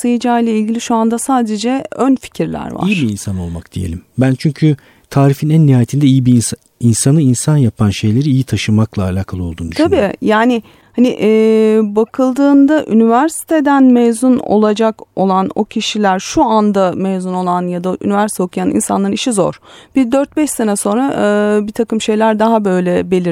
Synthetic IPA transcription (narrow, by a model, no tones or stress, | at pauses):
sɯjɯd͡ʒaːilʲɛilʲɟilʲiʃuand̪asaːd̪e̞d͡ʒɛønfi̥cʰiɾlʲæ̰ɾva̰ijibiinsano̞̰lˠma̰kd̪̥ijelʲimbænt͡ʃʰyɲcʰy | t̪ʰaːɾifinænːihaːjet̪ʰind̪ɛijibi | insanɯinsanjapʰanʃe̞jlʲe̞ɾiːjit̪ʰaʃɯmaklˠaːlʲaːkʰalˠɯolˠd̪und̪yt̪ʰabiːjaːnɪ | hanɪʔːbakʰɯlˠd̪ɯːnd̪aʔynivæɾsi̥t̪ʰe̞d̪ænmɛjzuno̰lˠad͡ʒako̞lˠano̞cʰiʃilʲæɾʃuand̪amejzuno̞lˠanjad̪aʔy̰nivæɾsit̪ʰeo̞kʰujanḭnsanˠaɾniʃizo̞̰ɾ̥b̥id̪øɾt̪̚bɛʃse̞nɛso̞nɾaʔːbit̪ʰakɯmʃe̞jlʲæɾd̪aɦabø̞jlʲɛbe̞lʲiɾ